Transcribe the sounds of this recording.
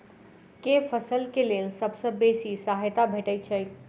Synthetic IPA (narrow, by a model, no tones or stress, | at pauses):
kefʰəsəlkelelsəbsə̃besisaɦjt̪abʱeʈəjt͡ʃʰəj